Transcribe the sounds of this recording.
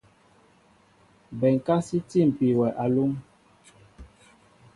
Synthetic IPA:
bɛ˨ŋ˨ka˦si˦ti˦˨m̩˨pi˨wɛ˨ʔa˨lu˦ŋ

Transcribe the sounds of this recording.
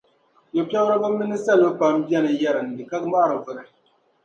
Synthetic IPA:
jo˨pʲɛ˦ɾɨ˦ba˦mi˦nɨ˦sa˦lo˦pa˨m˦bi˦ɛ˦nɨ˨jɛ˦ɾɨ˨n˨dɨ˨ka˦kma˦˨ɾɨ˨vɨ˨nɨ˨

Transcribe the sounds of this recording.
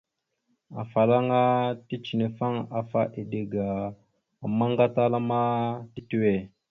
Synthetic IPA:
a˨fa˨la˦ŋa˦ti˦t͡ʃi˨ne˨fa˦ŋa˨fa˦ʔi˨de˨ɡa˨ | a˨ma˦ŋɡa˦ta˦la˦ma˦ti˦ti˦we˨

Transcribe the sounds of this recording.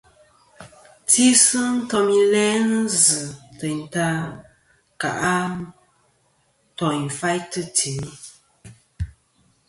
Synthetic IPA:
ti˦sɨ˦n̩˦tɔ˧mi˦lɛ˦nɨ˦zɨ˨tə˨n̩˨ta˦ | ka̰˨ʔa˦ | tɔ˨i˨ɱ˨fa˦jtɨ˦tʰi˨˦

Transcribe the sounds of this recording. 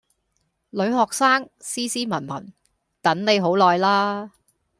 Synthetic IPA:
lɵ˨˧ɥɦɔː˨k̚saː˥ŋ | siː˥siː˥mɐ˨˩nmɐ̰˨˩n | t̪ɐ˨˥nle˨˧jɦo˨˥wlɔː˨jlaː˥

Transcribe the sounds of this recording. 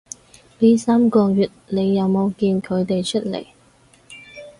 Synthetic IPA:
pi˥saː˥mkɔː˧jyː˨˩t̚ne˨˧jːɐ˨˧wmo˨˧wkiː˧nkʰɵ˨˧ɥt̪e˨jt͡ʃʰɵ˥t̚lḛ˨˩j

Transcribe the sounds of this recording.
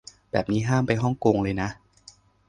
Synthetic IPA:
bɛː˨˩p̚niː˦˥ɦaː˥˩mpa˧jɦɔ˥˩ŋkoː˧ŋlɤː˧jna˦˥ʔ

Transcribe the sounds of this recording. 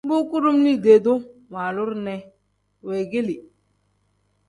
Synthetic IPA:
bu˦ku˦ɾu˦mni˦de˨do˦ma˨lu˦ɾnɛ˦ | we˨ɡe˦li˨

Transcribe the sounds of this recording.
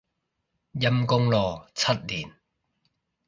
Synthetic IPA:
jɐ˧mkʊ˧ŋlɔː˨˩t͡sʰɐ˥t̚liː˨˩n

